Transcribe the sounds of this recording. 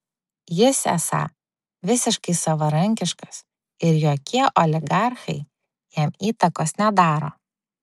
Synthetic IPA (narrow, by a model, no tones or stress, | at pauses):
jɪsæ̰sɐ̰ | ʋʲɪsʲɪʃkɐɪsɐʋɐɾɐŋʲkʲɪʃkɐ̥s | ɪɾjoːkʲʰiɛʔoːlʲɪɡɑˑɾxɐ̰ɪ | jɛmiːt̪ɐkoːsnʲɛd̪ɑːɾo̰ː